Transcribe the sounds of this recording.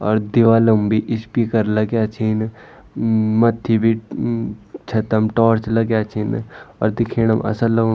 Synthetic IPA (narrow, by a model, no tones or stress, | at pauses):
ɔ̰ːɾd̪ɪʋaːlɐmbʱiʔɪspiːkəɾlɐɡjat͡ʃʰin | mɐt̪ʰːibʱi | t͡ʃʰɐt̪əmʈɔːɾt͡ʃlɐɡjaːt͡ʃʰinɔ̰ːɾd̪ɪkʰeːñɐmʔɐ̰səlɐɡ